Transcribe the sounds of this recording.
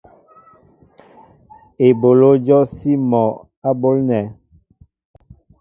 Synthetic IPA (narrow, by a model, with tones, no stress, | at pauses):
e˨bo˨lo˦d͡ʒɔ˦si˦mɔ˨ | a˦bo˦lnɛ˨